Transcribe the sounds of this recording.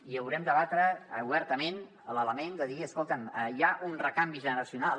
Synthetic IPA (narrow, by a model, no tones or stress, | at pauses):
iəwɾɛmd̪əβat̪ɾəːuβɛɾt̪əmen | ələləmend̪əðiəskolˠt̪əməjaʔunrəkambiʒənəɾəsiuna